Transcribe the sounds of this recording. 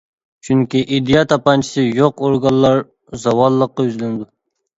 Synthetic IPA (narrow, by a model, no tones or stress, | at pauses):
t͡ʃʰyŋkʲiʔid̪ijɑt̪ʰɑpɑnt͡ʃʰi̥sɪjoqoɾɡɑlˠlːɑɾ | zɑwɑlˠːəqːɑjyzlɪnɪd̪u